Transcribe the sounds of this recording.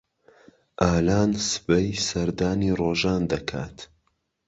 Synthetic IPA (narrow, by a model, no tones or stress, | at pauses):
ʔaːlaːnsɨ̥bɐjsɐɾd̪aːniːroːʒaːnd̪ɐkʰa̰ːt̪